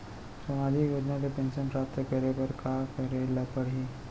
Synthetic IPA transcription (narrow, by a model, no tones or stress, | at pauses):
sɐmaːd̪ʱikjoːd͡ʒnakepɛ̃ːnʃənpɾaːp̚t̪əkəɾepɐɾkaːkɐɾelɐpəɾɦi